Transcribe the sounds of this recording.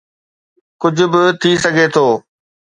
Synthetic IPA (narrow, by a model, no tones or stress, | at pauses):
kʊd͡ʑʱʊ̆bɪt̪ʰisɐɡʱet̪ʰoː